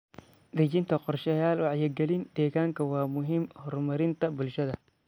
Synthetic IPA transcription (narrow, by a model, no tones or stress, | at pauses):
d̪ɐt͡ʃɪnt̪ʰɐqɔrʃɐjaːlwɑʕjɪɡɛlɪnd̪ɛːɣaːŋkʰɐwɑːmʊɦɪmhɔrmɐɾɪnt̪ʰɐbʊlʃɐðɐ